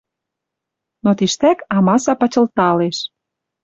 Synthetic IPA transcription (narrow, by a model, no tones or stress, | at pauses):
not̪iʃt̪ækɑmɑsɑpɑt͡ɕə̆lt̪ɑleʃ